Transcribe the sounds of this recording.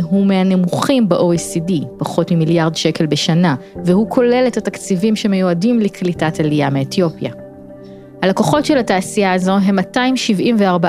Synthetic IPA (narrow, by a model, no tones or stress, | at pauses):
ɦumehanemuχimbeʔoisidipaχo̞tmimiljaʁdʃe̞ke̞lbe̞ʃanavehukʰo̞le̞letatakt͡sivimʃeme̞juadimliklitatalijameetjo̞pja̰ | halakoχo̞tʃelhataːsijaːzo̞ɦe̞mːataimʃivʔimveaʁba